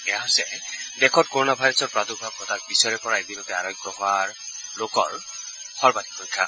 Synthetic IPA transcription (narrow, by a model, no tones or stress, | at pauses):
ɛjaɦojsɛdɛkʰɔtkoɹonabʱajɾɔsɔɹpɹadubʱab̚ɔtak̚bisɔjɹɛpɔɹaebilotɛaɾɔjɡɹɔɦɔaɹlokɔ̰ɹ | xɔɹbadipʰojkʰa̰